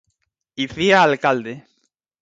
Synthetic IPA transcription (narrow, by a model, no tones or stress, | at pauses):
iθiaːlkald̪e